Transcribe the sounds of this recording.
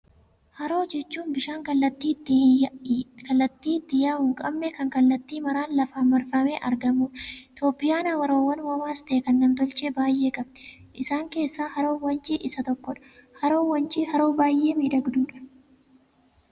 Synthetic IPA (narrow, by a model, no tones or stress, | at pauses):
hɐɾo̞ːd͡ʒɛt͡ʃːuːnbɪʃaːŋkɐlːɐt̪ːiː | kɐlːɐt̪ːiːt̪ːɪjaːmʊːkʼɐbnɛkɐŋkɐlːɐt̪ːiːmɐɾaːnlɐfaːmɐɾfɐmeːʔɐ̰ɾɡɐmuːᶑɐɪt̪o̞ːpʼːɪjaːnɐwɐɾoːwːɐnwɐmaːst̪ɐːkɐnːɐnt̪ɔlt͡ʃeːbaːjʔe̞ːkʼɐbnɛ̥ʔɪsaːŋke̞ːsːaːhɐɾoːwɐnt͡ʃʼiːʔɪsɐt̪ɔkːɔᶑɐ̥hɐɾoːwɐnt͡ʃʼihɐɾoːbaːjʔe̞ːmiːd̪ɐɡd̪uːᶑɐ̥